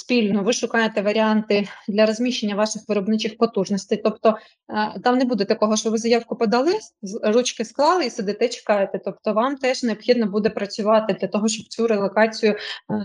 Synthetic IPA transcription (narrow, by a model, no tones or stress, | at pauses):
sʲpʲilʲnʊʋɪʃʊkɑjet̪ɛʋɐɾʲiɑnt̪ɪd̪lʲɐɾɔzʲmʲiʃenʲːɐʋɑʃɪxʋɪɾɔbnɪt͡ʃɪxpɔt̪uʒnɔsʲt̪ɪjt̪ɔpt̪ɔ | t̪ɑmnɛbud̪ɛt̪ɐkɔɦɔʃt͡ʃɔʋɪzɐjɑwkʊpɔd̪ɐlˠɪrut͡ʃkɪsklˠɑlˠɪisɐd̪ɪt̪ɛt͡ʃe̥kɑjet̪ɛt̪ɔpt̪ɔʋɑmt̪ɛʒneɔbxʲid̪nɔbud̪ɛpɾɐt͡sʲʊʋɑt̪ɪd̪lʲɐt̪ɔɦɔʃt͡ʃɔb̥̚t͡sʲuɾelˠɔkɑt͡sʲijʊ